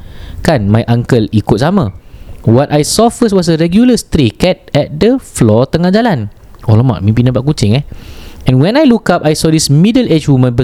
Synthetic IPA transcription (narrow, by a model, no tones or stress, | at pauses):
kanmajʔãŋkəlikʊt̪̚samãwɔtajsɔfəst̚wɔsəɹɛɡjuləst̪ɾikɛt̚ɛt̚dəflɔt̪əŋãd͡ʒalan | olɔmã̰ʔmĩpinə̃baʔkut͡ʃɪŋɛɛ̃nwɛ̃najlukapajsɔdismidəlet͡ʃwumə̃nbə